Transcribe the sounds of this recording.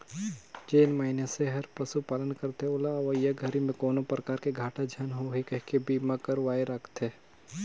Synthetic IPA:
d͡ʒeːnmaːɦinaseɦɐɾpɾɐsupaːlənkɐɾt̪eʊlaʋəjaɡʱɐɾimẽkoːnopɾəkaːɾkeɡʱaːʈad͡ʒʱaːnɦoɦikɐɦkebiːmakəɾʋaːeɾɐkʰt̪ʰeː

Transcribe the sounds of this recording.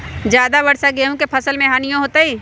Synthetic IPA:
d͡ʒjaːd̪abɐɽsaɡeɦũkepʰɐsəlmẽɦaːnijõɦoːt̪aɦiː

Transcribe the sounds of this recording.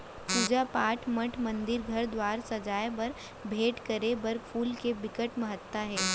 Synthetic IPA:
puːd͡ʒapaːʈʰmɐʈʰmɐ̃nd̪ɪɾɡʱɐɾd̪waːɾsɐd͡ʒaːjebɐɾ | bʱeːʈkəɾebɐɾfʰuːlkebɪkəʈmɐɦət̪ːaɦɛː

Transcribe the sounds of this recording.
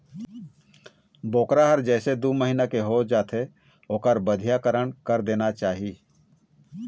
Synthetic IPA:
boːkɾaɦəɾd͡ʒɛːsed̪uməɦinakeɦod͡ʒaːt̪ʰe | oːkəɾbəd̪ʱijakəɾəɳkəɾd̪eːnat͡ʃaːɦi

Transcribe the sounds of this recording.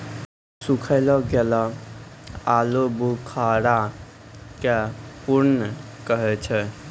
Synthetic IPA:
sukʰəɪlɔɡela | alobukʰaɾa | kepuɾn | kəɦɛt͡ʃʰɛ

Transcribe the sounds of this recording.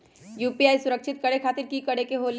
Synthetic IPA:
juːpiaːisʊɾəkʃɪt̪̚kɐɽekʰaːt̪ɪɾkikɐɽekeɦoːl

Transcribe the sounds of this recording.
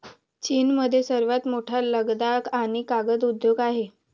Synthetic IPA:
t͡ɕiːnməd̪ʱːjesəɾʋat̪moʈʰaləɡd̪akaɽ̃ikaɡəd̪ud̪joɡaɦe

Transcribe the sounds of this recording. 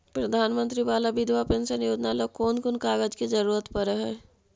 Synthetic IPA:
pɾɐd̪ʱaːnmə̃nt̪ɾibaːlabɪd̪ʱʋapensɐnjoːd͡ʒnalokoːnkʊnkaːɡəd͡ʒkid͡ʒɐɾuːɾət̪pɐɾəɦɛː

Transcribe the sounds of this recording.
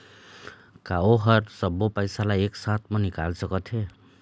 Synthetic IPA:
kaoɦʌɾsʌbopʌjsalajeksat̪ʰmʌnikalsʌkʌt̪ʰe

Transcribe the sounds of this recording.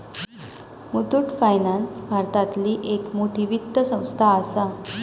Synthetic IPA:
mut̪uʈfajnansbʱaɾt̪at̪liːʔekmoʈʰiːʋit̪ːəsə̃w̃st̪ʰaːsa

